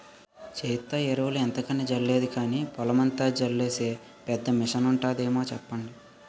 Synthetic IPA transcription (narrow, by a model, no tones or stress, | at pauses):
t͡ʃeːjt̪ːɐeɾɐʋuluɛnt̪ɐkɐnːid͡ʒɐɾle̞ːd̪ikaːniːpɔlɐmɐnt̪aːd͡ʒɐɾleːse̞ː | pɛd̪ːɐmiʂɐnuɳʈaːd̪e̞ːmo̞ːt͡ʃɛpːɐɳɖi